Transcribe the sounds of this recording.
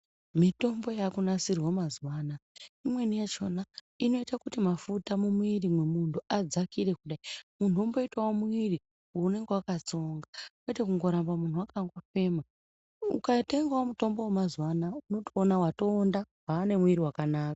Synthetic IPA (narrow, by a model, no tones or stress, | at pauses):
mito̞mbo̞jakunasirwamazwaːnaimwe̞nijet͡ʃo̞na | ino̞itakutimafutamumwuirimwemuntʰuʔad͡zakire̞kuɗaimun̤umbo̞itwawomuiri | one̞ŋɡewakat͡so̞ŋɡawetekuŋɡo̞ɾambamun̤uwakaŋɡwafe̞ːma | ukate̞ŋɡaomuto̞mbo̞wemazwanauno̞toːnawato̞ːndawaːne̞muiriwakanaːka